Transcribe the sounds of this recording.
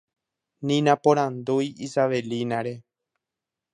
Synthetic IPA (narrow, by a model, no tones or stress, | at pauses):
nĩnãpõɾãnd̪ujisaʋelinaɾe̞